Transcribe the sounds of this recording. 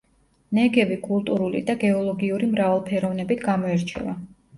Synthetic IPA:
nɛɡɛbikʼulˠt̪ʼuɾulḭd̪aɡɛɔlˠɔɡiuɾimɾavalˠpʰɛɾɔvnɛbit̪ʰɡamɔɛɾt͡ʃʰɛ̰va

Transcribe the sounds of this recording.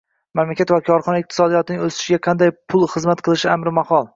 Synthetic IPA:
mamlakʲat̪vakʰɒɾχɒnaɪq̚t̪ʰɪsɒd̪ijɒt̪ʰɪnɪŋʲɵsɪ̥ʃɪɡʲaqʰɑnd̪ajpʰʊlˠχɨzmat̪̚qʰɨlˠɪʃɪamɾɪmahɒlˠ

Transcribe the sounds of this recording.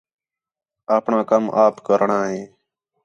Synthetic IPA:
aːpɳãːkəmʔaːpkəɾɳãːɦẽː

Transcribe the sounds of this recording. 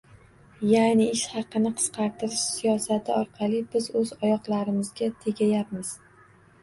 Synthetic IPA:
janɪɪʃχɑqɨnɪqʰɨ̥sqʰɑɾt̪ʰɪɾɪʃsijɒsat̪ʰɪɒɾqʰɑlˠibɪzɵzɒjɒqlˠaɾɪmɪzɡʲat̪ʰe̞ɡʲajap̚mɪz̥

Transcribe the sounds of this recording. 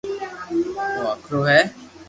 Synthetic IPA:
t̪oakʰɾoːɦɛː

